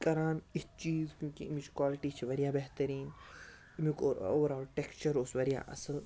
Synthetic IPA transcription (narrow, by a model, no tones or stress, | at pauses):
kɐɾaːnit͡ʃiːzkʲjũːkimit͡ʃʰkwaːlɪʈit͡ʃʰiʋɐɾijaːbeɦt̪ɐɾiːn | mikoɾoːɾaːlʈekst͡ʃɐɾʊsʋɐɾija̰ːʔɐ̰səl